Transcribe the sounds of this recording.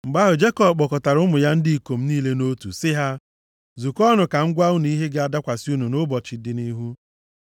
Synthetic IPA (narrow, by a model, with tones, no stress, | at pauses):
ŋ͡m̩˨ɡ͡ba˦ɦʊ˨d͡ʒe˦kɔ˦˨bk͡pɔ˨kɔ˨ta˨ɾʊ˦mʊ˨ja˦n̩˦dɪ˦i˨ko˨m̩˦niː˦le˦no˦tṵ˨sɪ˦ɦa˦ | zu˨kɔ˦nʊ˨ka˨ŋ̩˦ɡʷa˦ʊ˦n˨i˦ɦe˦ɡɪ˦a˦da˦kʷa˨si˦u˦nu˨nʊ˦bɔ˨t͡ʃɪ˨˦dɪ˨ni˦ɦu˦